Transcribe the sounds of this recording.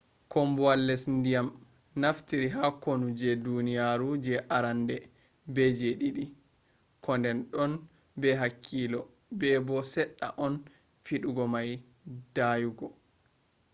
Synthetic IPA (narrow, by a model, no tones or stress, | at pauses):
kʰɔmbɔwalːɛsndijam | naftiɾiɦakonud͡ʒɛdunijaɾud͡ʒɛʔaɾandɛ | bɛd͡ʒeɗiɗi | kɔndɛnɗɔn | bɛɦakʰːilɔ | bɛbɔsɛɗːa̰ʔɔn | fiɗuɡɔmaj | d̥ajuɡɔ